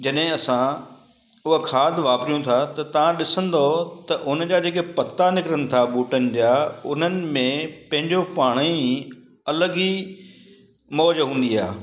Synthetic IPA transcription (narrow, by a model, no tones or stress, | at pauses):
d͡ʑɐɗɦɪ̃ɐsã | ʊɦəkʰaːd̪ʱʋaːpɾijũt̪ʰat̪ɐt̪ɐʋãɗɪsə̃nd̪ot̪ɐʔʊnd͡ʑaːd͡ʑeːk̬epɐt̪anɪkɪɾəñɪ̆t̪ʰaɓuːʈənɪ̆d͡ʑaːʊn̤ənɪ̆mẽpɐ̃ɦɪ̃ɲd͡ʑopaːɽ̃i | ɐləɡi | mɔːd͡ʑɦũːnd̪iaː